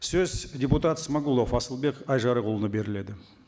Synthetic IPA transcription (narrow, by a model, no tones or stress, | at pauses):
sɵzdʲeput̪at̪smaɡulˠofɑsəlˠbe̞kɑjʒɑɾəqʰʊlˠənəbe̞ɾɪle̞d̪ɪ